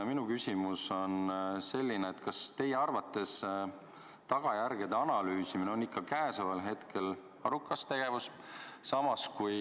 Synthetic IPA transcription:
minukysʲimuso̞nse̞lʲːineːt̪kɑst̪e̞jeɑrvɑt̪ːˑe̞s | t̪ɑɡ̥ɑjærɡ̥ed̪eɑnɑlyːsimineo̞nikːɑkæːsɑvɑlɦe̞t̪kʰe̞l | ɑɾukːˑɑst̪e̞ɡ̥e̞vus | sɑmɑskuj

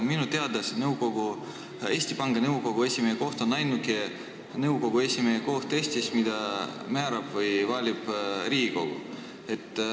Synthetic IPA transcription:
minut̪e̞ɑd̪ɑsnɤwko̞ɡ̥u | e̞ːsʲt̪ipɑŋɡ̥ɑnɤwko̞ɡ̥ue̞sʲimeeko̞ht̪o̞nɑjnuke | nɤwko̞ɡ̥ue̞sʲimeeko̞ht̪e̞sʲt̪ismid̪̥ɑmæːɾɑb̥vɤjvɑːlʲib̥ɾiːɡiko̞̰ɡ̥ṵ | e̞t̪ːˑ

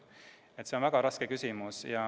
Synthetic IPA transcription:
et̪ːseonvæɡ̥ɑɾɑskekysʲimusjɑ

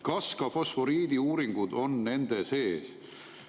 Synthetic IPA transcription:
kɑskɑfo̞sfo̞ɾiːd̪̥iuːɾiŋɡ̥ud̪̥o̞nːe̞nd̪̥e̞se̞ːs

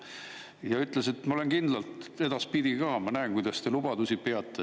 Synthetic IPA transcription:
jɑyt̪ˑlese̞t̪mɑolenkind̪lɑlt̪e̞d̪̥ɑspid̪ikɑːmɑnæenkujd̪̥ɑst̪e̞lub̥ɑd̪usipe̞ɑt̪ːˑe

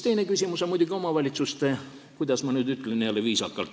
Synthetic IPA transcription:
t̪e̞jne̞kysʲimusemujd̪uɡio̞mɑvɑlʲit̪sust̪e | kujd̪̥ɑsmɑnyːd̪yt̪ːˑleniɑlːeviːsɑkːɑlt̪

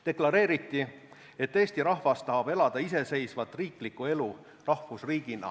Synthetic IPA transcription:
t̪e̞klɑɾe̞ːɾit̪ːˑi | e̞t̪ːe̞ːsʲt̪iɾɑhvɑst̪ːɑɦɑb̥e̞lɑd̪̥ɑise̞se̞jsvɑt̪ːˑriːklikːue̞lu | rɑhfusriːɡ̥inɑ̰

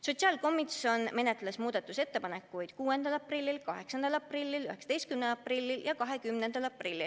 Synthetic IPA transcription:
so̞t̪siɑːlko̞mːit̪so̞nme̞net̪ˑlesmuːd̪ɑt̪ːˑuse̞t̪ːe̞pɑne̞kːˑujd̪̥kuːe̞nd̪ɑlɑprilʲːilkɑɦe̞ksɑnd̪ɑlɑprilʲːilyheksɑt̪ejst̪kymnelɑprilʲːiljɑkɑɦe̞kymnend̪̥ɑlɑprilʲːil

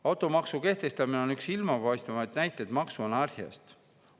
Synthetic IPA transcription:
ɑwt̪ˑo̞mɑksuke̞ht̪e̞st̪ɑmineo̞nyksilmɑpɑjst̪ɑmɑjt̪næjt̪ːˑed̪̥mɑksuonɑrhjɑ̰st̪

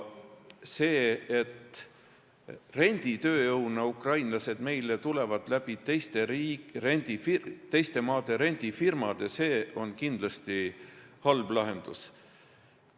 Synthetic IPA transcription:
se̞ːet̪ | re̞nʲd̪̥it̪ø̞ːjɤwnɑukrɑjnlɑse̞d̪me̞jle̞t̪ule̞vɑd̪̥læb̥it̪ejst̪e̞ɾiɾenʲd̪̥ifit̪e̞jst̪e̞mɑːd̪̥e̞ɾenʲd̪̥ifirmɑd̪̥e̞se̞ːo̞nkind̪̥lɑst̪ihɑlblɑɦe̞nd̪̥us

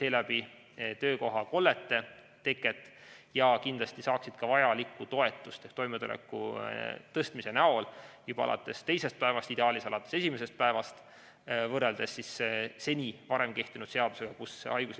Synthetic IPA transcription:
se̞ːlæbi | t̪ø̞ːko̞ɦɑko̞lːe̞t̪ːˑe̞ | t̪e̞kːˑet̪ːˑ | jɑkind̪lɑst̪isɑːksid̪̥kɑvɑjɑlikːˑut̪o̞e̞t̪ːˑust̪ehkt̪o̞jmet̪ulḛkːut̪ɤst̪mise̞nɑo̞ljub̥ɑɑ̰lʔɑ̰t̪ːˑe̞st̪e̞jse̞st̪̚pæe̞vɑst̪id̪eɑːlisɑlɑt̪ːˑe̞sesime̞se̞st̪̚pæe̞vɑst̪ | vɤrːe̞ld̪e̞sːisse̞nʲivɑɾe̞mke̞ht̪inud̪̥se̞ɑd̪use̞ɡ̥ɑkusɑjɡ̥us

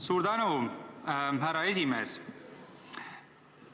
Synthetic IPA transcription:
suɾd̪ɑno | ɦæɾɑezimeːz

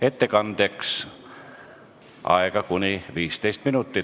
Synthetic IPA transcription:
et̪ːekɑnd̪̥eks | ʔɑ̰ekɑkunʲiʋiːst̪ejst̪minut̪ːi

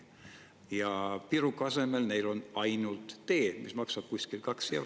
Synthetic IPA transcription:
jɑpiɾukːɑse̞me̞lne̞jlo̞nɑjnult̪ːe̞ːmismɑksɑb̥̚kusʲkilkɑksjɑ

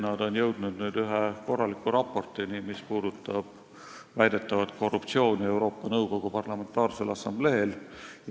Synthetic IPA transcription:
nɑd̪̥o̞njɤwd̪nud̪nyːd̪yɦeko̞rːɑlikːˑuɾɑpːˑo̞rt̪ˑinimispuːd̪ut̪ːˑɑb̥ | væjd̪̥e̞t̪ːˑɑvɑt̪kʰo̞rːupt̪sio̞ːnʲie̞wɾo̞ːpːˑɑnɤwɡo̞ɡ̥upɑrlɑme̞nt̪ːˑɑːrse̞lɑsɑmble̞ːlj

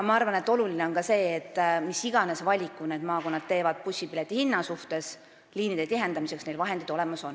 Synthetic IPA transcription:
mɑɑrvɑne̞t̪ːˑo̞lulineo̞nkɑse̞ːt̪ːmisiɡ̥ɑne̞svɑlʲikːˑune̞d̪̥mɑːko̞nːɑd̪̥̚t̪e̞ːvɑd̪̥̚pusʲipile̞t̪ːˑihinːɑsuht̪e̞s | liːnid̪̥et̪iɦe̞nd̪ɑmise̞ksne̞jlvɑɦe̞nd̪id̪o̞le̞mɑso̞n

